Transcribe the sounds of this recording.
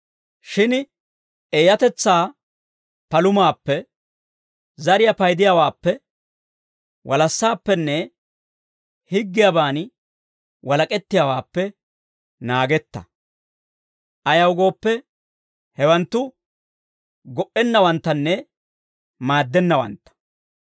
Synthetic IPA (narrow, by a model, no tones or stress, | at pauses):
ʃɪn | eːjɐt̪ɛt͡sːaː | pɐlʊmaːpːɛ | zɐɾɪjɐpɐjd̪ɪjawaːpːɛ | wʔɐlɐsːaːpːɛnːɛ | hɪɡːɪjɐbaːn | wɐlɐkʼɛt̪ːɪjawaːpːɛ | naːɡɛt̪ːɐ̰ | ʔɐjɐwɡo̞ːpːɛ | hɛwɐnt̪ːʊ | ɡɔʔɛnːɐwɐnt̪ːɐnːɛ | maːd̪ːɛnːɐwɐ̰nt̪ːɐ̥